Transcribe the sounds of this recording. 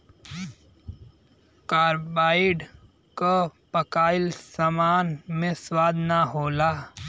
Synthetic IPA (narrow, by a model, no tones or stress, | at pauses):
kaːɾbaːɪɖ | kapəkaːɪlsamaːnmẽswaːd̪ʱnaɦoːlaː